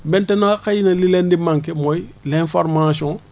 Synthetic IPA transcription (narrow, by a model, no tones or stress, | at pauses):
bɛ̃ntɛnakajinalilɛndimãŋkɛmojilɛ̃foɾmasiɔ̃